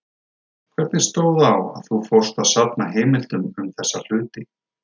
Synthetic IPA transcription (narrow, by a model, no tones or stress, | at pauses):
kʰvɛɾt̪nɪst̪oːwðawa̰ðθufowrst̪aðsap̚naɦeːmɪlt̪ʏmʏmθɛsːal̥ʏːt̪ɪ